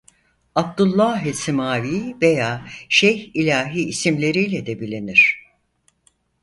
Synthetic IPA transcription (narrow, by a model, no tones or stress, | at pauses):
ab̚d̪ulˠːaɦɛsimaːviːve̞jaːʃejilʲaːɦiːsimlʲe̞ɾijlʲɛd̪ɛbilʲiniɾ̥